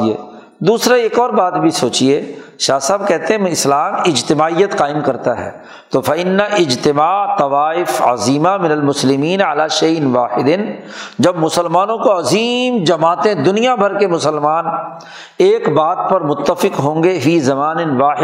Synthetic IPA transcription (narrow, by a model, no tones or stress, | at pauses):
ḛː | d̪uːsɾaeːkɔːɾbaːt̪bʱisoːt͡ʃieːʃaːsaːb̚kɛɦt̪eɦɛ̃ɪslaːmɪd͡ʒt̪ɪmaːijət̪qaːɪmkɐɾt̪aɦɛ̰ː | t̪ofɐɪnːaʔɪd͡ʒt̪ɪmaːt̪ɐʋaːɪfɐ̰ziːmamɪnəlmʊslɪmiːnʕɐlaːʃeːɪnʋaːħɪd̪ɪn | d͡ʒɐbmʊsəlmaːnõkoɐziːmd͡ʒɐmaːt̪ẽd̪ʊnijabʱɐɾkemʊsəlmaːn | eːkbaːt̪̚pɐɾmʊt̪ːəfɪqɦõːŋɡefiːzɐmaːnɪnʋaːɪ